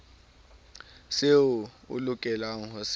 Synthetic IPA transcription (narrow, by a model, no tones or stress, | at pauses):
seu | ṵlukʼɛlaŋɔs